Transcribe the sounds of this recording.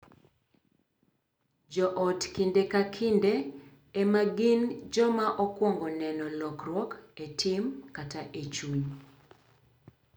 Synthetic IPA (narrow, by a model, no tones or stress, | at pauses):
d͡ʒɔʔɔtkindekakʰindeː | maɡind͡ʒɔmaʔɔkwɔŋɡɔnɛnɔlɔkrwɔketʰɪmkataʔet͡ʃuɲ